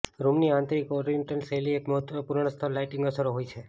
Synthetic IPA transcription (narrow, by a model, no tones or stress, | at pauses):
ɾumniãnt̪ɾikɔɾiiɳʈənseliekməɦət̪ʋənopuɾɳ̃əst̪ʰəlːajʈɪŋɡəsəɾoɦojt͡ʃʰe